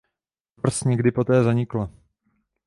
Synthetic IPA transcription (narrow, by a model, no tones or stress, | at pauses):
br̩sɲɛɡdɪpot̪ɛːzaɲɪkla